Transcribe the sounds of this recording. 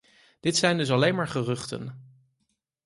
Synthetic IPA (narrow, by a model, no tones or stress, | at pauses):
d̥ɪtsɛjndɵs̬ɑlejnmaːɹχərɵχtə̰n